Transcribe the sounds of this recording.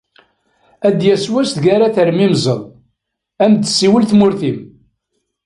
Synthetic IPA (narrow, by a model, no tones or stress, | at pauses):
æd̪jæswæst̪ʝaɾaθəɾmimzˤəðˤ | æmd̪siwəlθmʊɾθim